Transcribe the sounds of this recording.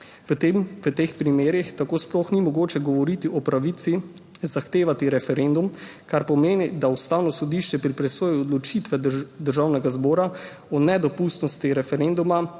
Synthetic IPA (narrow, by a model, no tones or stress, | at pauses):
mʋət̪eːxpɾimeːɾixt̪akoːsploxnimɔɡoːt͡ʃɛɡɔʋɔɾit̪iɔpɾaʋit̪si | zaxt̪eːʋat̪iɾɛfɛɾend̪umkaɾpɔmeːnid̪aust̪aːwnɔsɔd̪iʃt͡ʃɛpɾipɾɛsoːjuɔd̪lɔt͡ʃit̪ʋɛd̪əɾʒawnɛɡazbɔːɾa | ɔnɛd̪ɔpust̪nɔst̪iɾɛfɛɾend̪uma